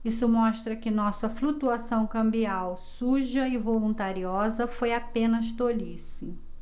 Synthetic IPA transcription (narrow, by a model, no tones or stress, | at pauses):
isʊmɔʃt̪ɾɐkɪnɔsɐflut̪uasɐ̃w̃kɐ̃mbiawsuʒɐɪvolũnt̪aɾiɔzɐfojapẽnɐʃt̪olisɪ